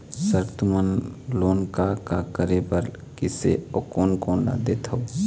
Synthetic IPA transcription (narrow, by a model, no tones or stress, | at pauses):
səɾt̪umənloːnkakakəɾepəɾ | kɪsḛokoːnkoːnla̰d̪eːt̪ʰoː